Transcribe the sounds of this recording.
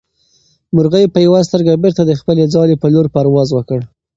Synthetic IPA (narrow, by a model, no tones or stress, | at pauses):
mʊɾɣəjpəjawas̬t̪əɾɡabeɾt̪ad̪əxpəled͡zɑlepəloɾpaɾwɑzwəkəɽ